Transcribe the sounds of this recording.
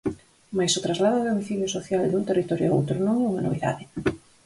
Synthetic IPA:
majsʊt̪ɾazlaðʊðomiθiljʊsoθjald̪unt̪erit̪ɔɾjo̰o̰wt̪ɾʊnõŋɛuŋɐno̰β̞iða̰ðɪ

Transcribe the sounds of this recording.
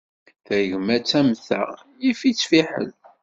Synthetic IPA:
θæʝmæt͡sːæmθæ̰ | jifit͡sːfiħə̰l

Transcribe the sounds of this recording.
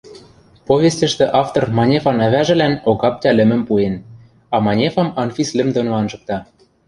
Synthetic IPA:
povʲest̪ʲɘ̆ʃt̪ĕʔɑft̪ormɑnʲefɑnæβæʒɘ̆lænoɣɑp̚t̪ʲælɘ̆mɘ̆mpuen | ɑmɑnʲefɑmɑnfʲislʲɘ̆md̪onoɑnʒɤ̆k̚t̪ɑ

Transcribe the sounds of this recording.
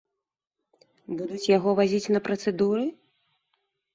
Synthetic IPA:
bud̪ut͡sʲjaɣɔvazʲit͡sʲnɐpɾɐt̪sɛd̪uɾɨ

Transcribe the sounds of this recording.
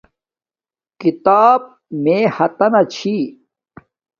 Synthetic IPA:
kit̪aːb̚ | meːhɐt̪ɐnɐt͡ɕʰi

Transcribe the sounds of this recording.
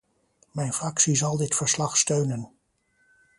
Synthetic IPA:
mɛjnfrɑksizɑlˠdɪtfəɹslɑχstøɥnən

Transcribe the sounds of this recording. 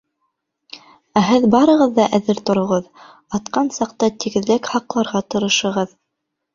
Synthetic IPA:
æɦɘðbɑɾɤ̆ʁɤðːɑʔæðɘɾt̪ŏɾŏʁɤð | ɑt̪qɑnsɑqt̪ɑt̪iɡɘ̆ðlɘkhɑqlˠɑɾʁɑt̪ɤ̆ɾɤ̆ʃɤ̆ʁɤð

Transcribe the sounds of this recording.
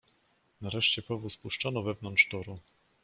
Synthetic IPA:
naɾɛʂt͡ɕɛpɔvuspuʂt͡ʂɔnɔvɛvnɔnt̪ʂt̪ɔɾu

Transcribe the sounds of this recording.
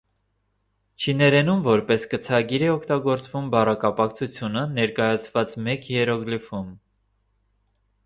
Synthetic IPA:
t͡ʃʰinɛɾɛnumvɔɾpɛskət͡sʰɑɡiɾɛɔkʰt̪ɑɡɔɾt͡svumbɑrɑkɑpɑkt͡sʰut͡sʰjunənɛɾkɑjɑt͡sʰvɑt͡smɛkjɛɾɔɡlifum

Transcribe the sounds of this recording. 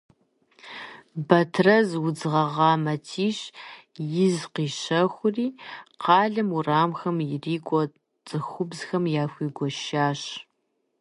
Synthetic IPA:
bɐtʰrɐzwʊd͡zɨʁɐʁɑːmɐtʰiːɕ | jɪzqiːɕɐxʷʊriːqʰɑːɮɐmuraːmxɐmjɪriːkʷʼɔ | t͡sʼɨxʷʊbzxɐmjaːxʷiːɡʷɔʃaːɕ

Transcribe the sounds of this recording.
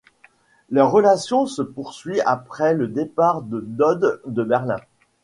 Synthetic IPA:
laʁːəlasjɔ̃səpuʁsɥia̰pχɛləd̪epaʁd̪ənɔd̪ːəbɛʁlɛ̰̃

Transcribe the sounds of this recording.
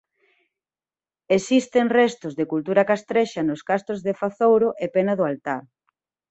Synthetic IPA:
esist̪eŋrɛst̪ʊzðekult̪uɾakast̪ɾeʃanoskast̪ozðefaθowɾʊʔepɛnaðʊalt̪aɾ

